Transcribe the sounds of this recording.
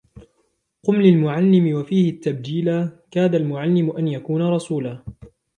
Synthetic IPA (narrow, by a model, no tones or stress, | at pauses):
qʊmlɪlmʊʕalːɪmɪwafiːhɪt̪ːab̚d͡ʒiːlakaːd̪almʊʕalːɪmʊʔanjakuːnaɾˤɑsuːlaː